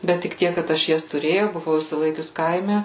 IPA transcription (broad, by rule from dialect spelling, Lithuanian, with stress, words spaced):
bʲɛt tʲɪk ˈtʲiɛk kɐt ˈɐʃ ˈjɛs tʊˈrʲeːjɛʊ bʊˈʋɐʊ ɪʃʲsʲɪˈlˠɐɪkʲʊs ˈkɐɪmʲɛ